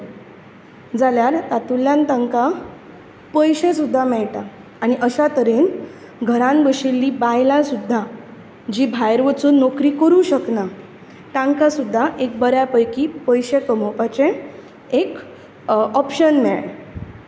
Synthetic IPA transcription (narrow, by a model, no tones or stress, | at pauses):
d͡zaljaɾt̪at̪ulːjãnt̪aŋka | pəjɕesud̪ʱːamɛɭʈaː | ñiʔəɕat̪əɾen | ɡʱəɾãnbəɕilːiːbajlãsud̪ʱːa | d͡ʑiːbʱajɾʋət͡suːnːɔkɾiːkəɾũɕəkna | t̪ãŋkasud̪ʱːaʔek̚bəɾjapəjkiːpəjɕekəmopat͡ɕẽ | ek | ɔpɕənmɛɭ